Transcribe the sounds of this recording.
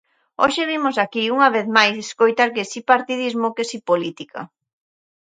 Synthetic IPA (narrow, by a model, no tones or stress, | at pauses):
oʃeβimosakiuŋɐβeθmajseskojt̪aɾkesipaɾt̪iðizmokesipolit̪ikʰa̰